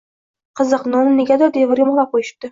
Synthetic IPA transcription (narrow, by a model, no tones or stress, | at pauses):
qʰɨzɨqnɒnɪneɡʲad̪ɒd̪evɪɾjʲɒmɒlˠaqʰojɪʃ̚d̪ɪ